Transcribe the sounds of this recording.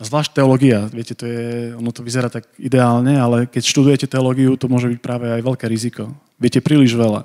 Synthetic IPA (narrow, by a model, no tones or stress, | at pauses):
azʋlaːʃ̚t̪ɛɔlɔɡiaʋɪɛcɛt̪ɔjɛɔnɔt̪ɔʋizɛɾaːt̪aɡid̪ɛaːlɲɛalɛkɛcʃt̪ud̪ujɛcɛt̪ɛɔlɔɡiut̪ɔmʊɔʒɛbic̚pɾaːʋɛajʋɛlkɛːɾizikɔ | ʋɪɛcɛpɾiːliʒʋɛla̰